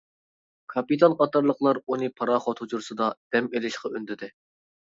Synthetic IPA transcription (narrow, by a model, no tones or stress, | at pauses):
kʰɑpit̪ʰɑnqʰɑt̪ɑɾlˠəqlˠɑɾunɨpʰɑɾɑχɑt̪hud͡ʒuɾsɨd̪ɑd̪̥ɛmelɪʃqɑynd̪ɪd̪ɪ